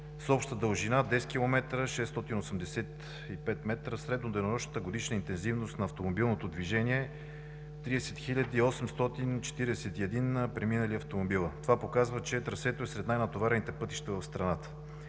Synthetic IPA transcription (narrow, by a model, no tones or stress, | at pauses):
sɔpʃt̪əd̪əlʒinad̪ɛsk̟ʲilˠomɛt̪ɾəʃɛst̪ɔt̪inosəmd̪ɛsɛt̪ | ipɛt̪mɛt̪ɾəsɾɛd̪nod̪ɛjnoɾɔʃnət̪əɡod̪iʃnəint̪ɛnzivnost̪nɐːft̪omobilˠnot̪od̪viʒɛniɛ | t̪ɾiɛsɛt̪xilʲəd̪iːɔsɛmst̪ɔt̪int͡ʃɛ̥t̪iɾɛsɛt̪iɛd̪inpɾɛminəliɐft̪omobilˠət̪ovapokazvət͡ʃɛt̪ɾɐsɛt̪oɛsɾɛt̪najnət̪ovaɾɛnit̪ɛpɤt̪i̥ʃt̪əvəfst̪ɾɐnat̪ə̥